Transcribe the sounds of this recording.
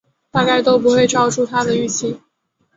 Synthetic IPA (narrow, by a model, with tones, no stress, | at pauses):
t̪a˥˧ka˥˧ɪt̪o˥ʊp̬u˧˥xwe˥˧ɪʈ͡ʂɑ˥˧ʊʈ͡ʂʰu˥˧t̪ʰa˥d̪ə˨y˥˩t͡ɕʰi˥˦